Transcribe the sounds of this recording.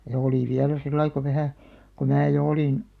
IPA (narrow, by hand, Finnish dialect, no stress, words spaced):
jɑ oliˑ ʋiælæ silːɑi ko ʋæhæ ko mæː jo oliˑn